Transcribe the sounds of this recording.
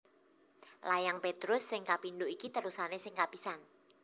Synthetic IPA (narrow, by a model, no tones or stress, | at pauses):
lajaŋpet̪ɾʊsːɪŋkapind̪oʔikit̪əɾusanesɪŋkapisan